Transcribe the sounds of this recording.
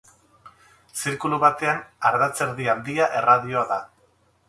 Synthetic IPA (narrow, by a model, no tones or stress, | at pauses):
siɾkuluβat̪e̞anaɾðat͡se̞ɾðiand̪iaʔe̞raðioaða